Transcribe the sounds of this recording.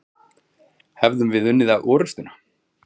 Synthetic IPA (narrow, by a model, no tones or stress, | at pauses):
hɛvðʏmvɪðʏnːɪðaʔɔːɾʏst̪ʏna